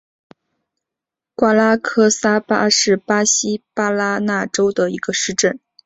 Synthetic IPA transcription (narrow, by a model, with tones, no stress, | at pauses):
kwa˥la˥kʰɤ˥sa˥pa˥ʂɻ̩˥˩pa˥ɕi˥pa˥la˥na˥˩ʈ͡ʂo˥ʊd̪ə˨i˧˥ɡ̥ə˧ʂɻ̩˥˧ʈ͡ʂə˥˩n